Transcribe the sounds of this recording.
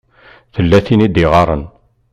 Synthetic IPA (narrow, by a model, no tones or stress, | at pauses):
θəlːæθinid̪iʁɑɾˤə̰n